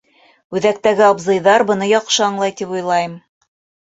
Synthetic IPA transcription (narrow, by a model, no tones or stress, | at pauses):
ʉðæk̚t̪æɡɘɑbzɤ̆jðɑɾbɤ̆nɤjɒqʃɤɑɴlˠɑjt̪ipujlˠɑjɤm